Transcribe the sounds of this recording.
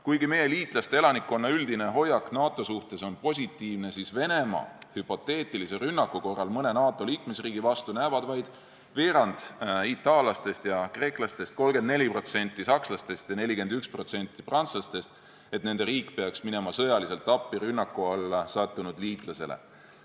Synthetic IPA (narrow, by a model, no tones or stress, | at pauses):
kujɡime̞je̞liːt̪ˑlɑst̪e̞e̞lɑnikːˑo̞nːɑyld̪ine̞ɦo̞jːɑknɑːt̪ːˑo̞suht̪e̞so̞npo̞s̬ʲit̪ːˑiːvne̞sisve̞ne̞mɑ̰hypo̞t̪ːˑe̞ːt̪ˑiliserynːɑkːˑuko̞rːɑlmɤne̞nɑːt̪ːˑo̞liːkme̞sriːɡivɑst̪unævɑd̪̥vɑjd̪̥ | veːɾɑnd̪̥it̪ːˑɑːlɑst̪e̞st̪jɑkre̞ːklɑst̪e̞st̪̚ko̞lɡe̞nd̪ne̞lʲipro̞t̪se̞nʲt̪ːˑisɑkslɑst̪e̞st̪jɑne̞lʲike̞nd̪̥ykspro̞t̪se̞nʲt̪ːˑiprɑnt̪slɑst̪e̞st̪ | et̪ne̞nd̪̥e̞ɾiːkːˑpe̞ɑksmine̞mɑsɤjɑlise̞lt̪ːˑɑpːiɾynːɑkːˑuɑlːɑsɑt̪ˑːunud̪liːt̪ˑlɑse̞̰lḛ